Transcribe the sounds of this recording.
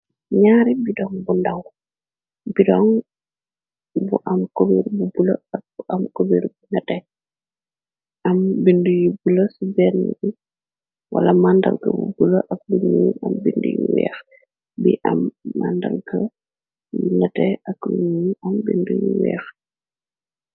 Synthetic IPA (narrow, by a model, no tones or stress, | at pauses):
ɲaːɾibidɔŋbundaw | bidɔŋ | buʔɐmkobeɾbubuləɐk̚buʔɐmkobeɾbunɐtɛ | ʔɐmbindujibulɐsubɛrnṵi | wɐ̰lɐmandɐ̰lɡə̰bubuləʔɐk̚buɲuːnɐmbindṵjuwɛ̰ːx | biʔɐmːandɐlɡɐ | nɐtɛɐkluɲunɐmbindujiwɛ̰ːx